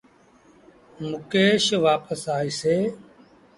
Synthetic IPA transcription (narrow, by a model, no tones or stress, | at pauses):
mʊkeːʃʋaːpəsaːiːseː